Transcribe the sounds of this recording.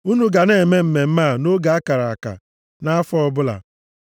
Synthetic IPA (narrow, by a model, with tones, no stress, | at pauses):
u˦nu˦ɡa˨ne˨e˨me˦m̩˨me˨m̩˦ma˦˨no˦ɡa˨a˦ka˨ɾa˨a˨ka̰˨ | na˦a˦fɔ˦ɔ˦bʊ˦la̰˨